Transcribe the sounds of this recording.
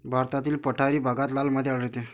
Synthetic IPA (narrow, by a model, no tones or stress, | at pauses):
bʱaɾt̪at̪iːlpəʈʰaɾiːbʱaɡat̪lalməd̪ʱjeaɽɾet̪e